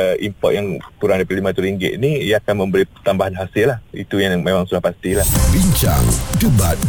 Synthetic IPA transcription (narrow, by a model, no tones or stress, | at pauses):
ʔimpɔ̰ʔ̪̚jaŋkuɾaŋdapat̪limat̪uɾiŋɡɪ̰ʔ̪niijaːkanmə̃mbəɾipət̪ambaɦanɦasɪlahḭt̪ujaŋmemaŋsulahpast̪ilahbiɲt͡ʃa̰ŋtuba̰t̪̚